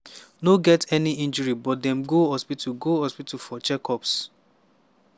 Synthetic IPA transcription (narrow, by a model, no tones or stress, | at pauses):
noɡɛtɛniĩnd͡ʒɔɹibɔt̚dɛ̃mɡohɔspituɡohɔspitufɔt͡ʃɛkʰɔps